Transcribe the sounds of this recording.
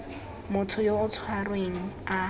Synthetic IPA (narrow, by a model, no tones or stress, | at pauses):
mʊtʰʊjoʊt͡sʰwarweŋ̩a